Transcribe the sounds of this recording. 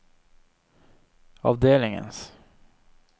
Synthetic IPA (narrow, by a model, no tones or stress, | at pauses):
ɑ̰ːvd̪eːlnɪŋə̰ns